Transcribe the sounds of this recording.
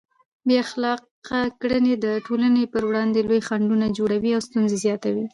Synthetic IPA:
beaxlɑq | akɽəned̪əʈʰolanepəɾwɽɑnd̪elojxaɳɖunad͡ʒoɽawiawst̪unzezjɑt̪awi

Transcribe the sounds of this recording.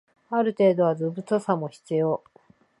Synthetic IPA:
aɾɯ̟t̪e̞ːd̪o̞βazɨbɯ̟t͡sosamo̞çi̥t͡sɨjo̞ː

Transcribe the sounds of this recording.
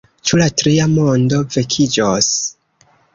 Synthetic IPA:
t͡ʃulatɾiamo̞ndo̞ve̞kʰid͡ʒos

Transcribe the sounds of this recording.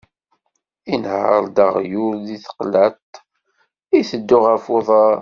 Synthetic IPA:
inhə̰ɾˤd̪əʁjʊɾðiθqlət̪ | iθəd̪ːʊʁæfoðˤɑɾ

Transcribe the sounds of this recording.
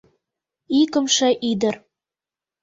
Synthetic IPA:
ikəmʃeʔid̪ə̆r

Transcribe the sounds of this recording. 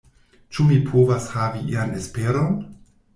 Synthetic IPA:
t͡ʃumipʰovashaviʔianespeɾon

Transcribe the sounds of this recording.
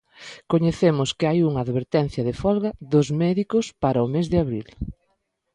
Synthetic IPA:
koɲeθemʊskɪajuŋaːðβeɾt̪ɛn̟θjɐðɪfɔlɣɐðʊzmɛðikʊspaɾɐʊmezðɪaβɾil

